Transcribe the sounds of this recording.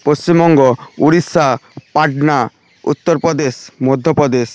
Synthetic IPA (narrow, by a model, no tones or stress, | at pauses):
post͡ɕimɔŋɡouɾisapaʈna | ṵt̪ːoɾpɾod̪esmod̪ʱːopɾod̪es